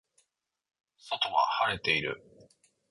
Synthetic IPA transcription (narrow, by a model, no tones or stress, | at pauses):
so̞t̪o̞ɡa̰haɾe̞t̪e̞iɾɯ̟̰